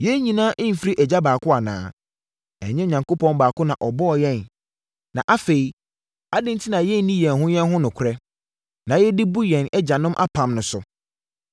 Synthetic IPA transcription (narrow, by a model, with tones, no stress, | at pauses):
jɛ˦ɲĩ˨nãː˦ʔɪ̃˦m̩˨fi˦ɾi˦ʔɛ˨d͡ʑa˦baː˨kʰʊ˦a˨nã̰ː˨˦ | ɛ̰˨ɲɪ̃˦˨ɲã˨ŋko˦pʰɔ̃˦nbaː˨kʊ˦nã˨ʔɔ˨bɔ˦ɔ˨jɛ̃˦˨n | nã˨ʔa˦fe˨i˨ | a˦dɪ̃˦ntʰi˦nã˨jɛ˦n˨˦nĩ˦jɛ̃˨nɦʊ̃˦jɛ̃˦n˦ɦʊ̃˦nʊ̃˨kʷʰʊ˨ɾɛ˦ | nã˨jɛ˦di˦bu˦jɛ̃˨nɛ˦d͡ʑa˨nʊ̃˦mʔa̰˦pʰã˨mnʊ̃˨sʊ˨